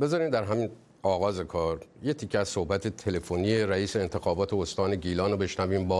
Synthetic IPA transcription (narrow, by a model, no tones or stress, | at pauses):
be̞zɒːɾiːmd̪æɾɦæmiːn | ɒːɣɒːze̞kʰɒːɾjet̪ʰicʰːeæz̥sohbæt̪ʰet̪ʰe̞le̞fonijeɾæiːse̞ːnt̪ʰe̞xɒːbɒːt̪ʰe̞ost̪ɒːne̞ɟiːlɒːnobe̞ʃnæviːmbɒː